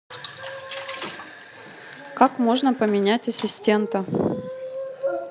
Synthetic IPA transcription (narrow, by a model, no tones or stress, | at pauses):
kakmo̞ʐnəpəmʲɪnʲætʲɐsʲɪsʲtʲe̞nt̪ə